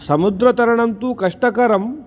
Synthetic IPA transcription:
sɐmud̪ɾɐt̪ɐɾɳɐnt̪uːkɐʂʈɐkɐɾɐm

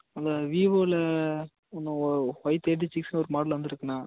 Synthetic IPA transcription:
ɐnd̪ɐʋiːʋoːlɐ | ɔnːɐ̃hɔɪt̪ːeːʈ̬ːit͡ʃːɪksnɔɾɯmaːɽlʋɐnd̪ɪɾɯkːɐnːaː

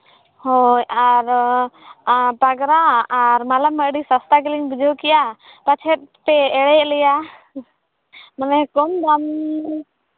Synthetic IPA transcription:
hɔjaɾ | paɡɾaaɾmalamːəʔɖisast̪akəliŋbud͡ʒʱokɛja | pat͡ʃʰɛt̪̚pɛːɽɛʔlɛja | manɛkɔmd̪am

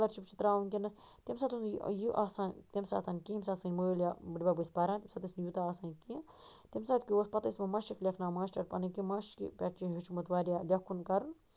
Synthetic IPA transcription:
lɐɾt͡ʃʰipt͡ʃʰit̪ɾaːunʲkʲenɐ | t̪emsaːt̪usjiʔaːsaːnʲt̪emsa̰ːt̪ʰɐnʲkimsaːt̪sɐnʲmolabɨɖʲbabɨspɐɾãnt̪ʲemsat̪isnjut̪aaːsaːnki | t̪emsaːt̪kʲiospɐt̪ɐsmɐmɐʃiklʲekʰnaːmaːsʈɐɾpɐnɐkimaʃkḭpʲɐʈt͡ʃiɦit͡ʃʰumɐt̪ʋaːɾʲjalʲɐkʰːunkɐɾun

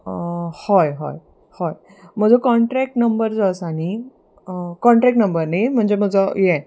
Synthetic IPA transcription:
hɔjɦɔ̰j | hɔj | m̤əd͡zʱəkɔɳʈɾɛk̚ʈnəmbəɾd͡zəsaɽ̃i | kɔɳʈɾɛkʈnəmbəɾnam̤əɳd͡ʑem̤əd͡zəjɛ

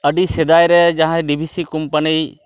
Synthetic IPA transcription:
əɖised̪ajɾɛd͡ʒãɦãɖibʱisikumpənij

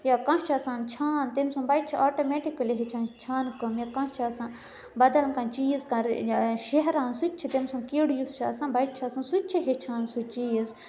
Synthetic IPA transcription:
jakãt͡ʃʰasãːnt͡ʃʰaːnt̪emsũmbɐjt̪̚t͡ʃʰiʔaːʈomeʈikɐliɦet͡ʃʰãːnt͡ʃʰaːnkɐmjakãt͡ʃʰisãn | bɐd̪ɐlmkãt͡ʃiːzkãʃeɦɾaːnsut̪ʲt͡ʃʰit̪emsɐ̃nkiɽjust͡ʃʰaːsãnbɐjt̪̚t͡ʃʰaːsãnsutʲt͡ʃʰiɦet͡ʃʰãːnsut͡ʃiːz

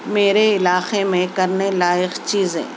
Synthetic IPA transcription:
meːɾeɪlaːxemẽkɐɾnelaːjɪxt͡ʃiːzḛ̃ː

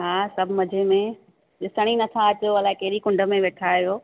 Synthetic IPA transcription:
ɦaːsɐbʱmɐd͡ʑʱemẽ | ɗɪsəɽ̃inɐt̪ʰaɐt͡ɕoɐlaːekɐɦɪɗikʊ̃ɳɖə̆mẽʋeːʈʰaːijoː

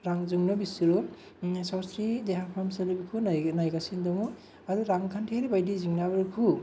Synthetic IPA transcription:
ɾaŋzuŋnɯbisuɾu | sawsɾideɦapʰamsalibikʰunanajɡasindɔŋu | aduɾaŋkʰantʰeɾibajdiziŋnabɯɾkʰu

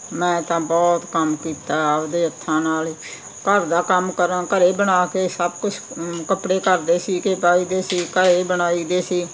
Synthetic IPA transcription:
mɛ̃ːt̪ãːbɔːt̪kəmkiːt̪aːd̪eːət̪ʰːãːnaːli | kəɾd̪aːkəmkəɾãːkəɾeːbəɽaːkeːsəbkʊt͡ʃʰkəpɽeːkəɾd̪eːsiːkeːpaːiːd̪eːsiːkəɾeːbəɽaːiːd̪eːsiː

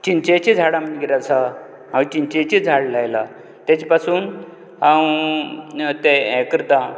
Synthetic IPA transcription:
t͡ɕint͡ɕet͡ɕid͡zʱaɽamənɡiɾat͡sʰa | ɦãwt͡ɕint͡ɕet͡ɕid͡zʱaɽlajla | t̪jat͡ɕipasuːn | ɦãw | t̪eɛkɾt̪a

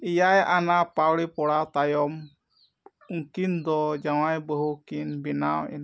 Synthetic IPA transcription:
ijajʔanapawɽipɔɽawt̪ajɔm | uŋkind̪ɔd͡ʒawajbəɦukinbinawḭn

